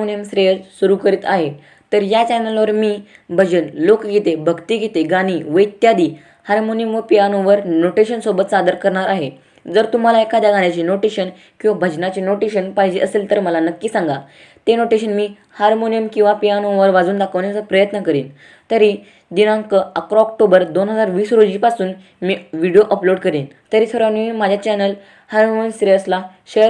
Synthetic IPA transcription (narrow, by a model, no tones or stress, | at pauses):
oniəmsɾeɾsuɾukəɾiːt̪aɦe | t̪əɾjat͡ɕanəlʋəɾmiːbʱəd͡ʑənlokɡʱet̪ebʱəɡt̪iːɡʱet̪eɡañiːʋəit̪jad̪iː | haɾmonijəmʋəpianõʋəɾnoʈeɕənsobət̪sad̪əɾkəɾɳaɾaɦe | d͡zəɾt̪um̤alaekʰad̪jaɡañjat͡ɕiːnoʈeɕən | kĩw̃ʋabʱəd͡ʑnat͡ɕenoʈeɕənpaɦid͡ʑeʔəselt̪əɾməlanəkːiːsãŋɡa | t̪enoʈeɕənmiː | haɾmonijəmkĩw̃ʋapianõʋəɾʋad͡zuːnd̪akʰəʋɳjat͡səpɾəjət̪nəkəɾiːn | t̪əɾi | d̪inãŋkəəkɾoːk̚ʈobəɾd̪onɦəd͡zaɾʋiːsɾod͡ʑiːpasuːn | miːʋiɽijoʔəploɽkəɾiːn | t̪əɾiːsəɾaniimad͡ʑʱat͡ɕɛnəl | haɾmonijəmst̪ɾiəslaɕeəɾ